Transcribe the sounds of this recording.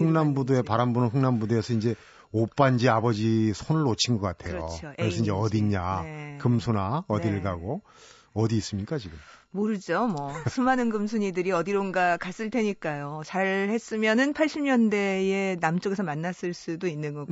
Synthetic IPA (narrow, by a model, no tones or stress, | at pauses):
ɯŋnambudoe̞paɾanbunɯnɸɯŋnambudoesʰʌind͡ʑe̞ | op͈and͡ʑiabʌd͡ʑisʰonɯɭːot͡ɕʰinɡʌk͈atʰe̞joo̰okɾessʰʌind͡ʑeʌdiɲakɯmsʰonaʌdiɭɡaɡo | ʌdiːs͈ɯmɲik͈at͡ɕiɡɯmmoɾɯd͡ʑomwʌsʰumanɯnɡɯmsʰuɲidɯɾiʌdiɾonɡakas͈ɯɭtʰe̞ɲik͈ajot͡ɕaɾhe̞s͈ɯmjʌnɯnpʰaɭɕ͈ʰimɲʌnde̞e̞namt͡ɕ͈ʌɡe̞sʰʌmanːas͈ɯɭs͈udoinːɯnɡʌ